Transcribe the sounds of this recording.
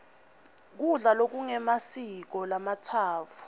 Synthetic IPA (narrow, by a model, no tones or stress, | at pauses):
k̬uɮalok̬uŋɛmasik̬ɔlamatʰaːvu̥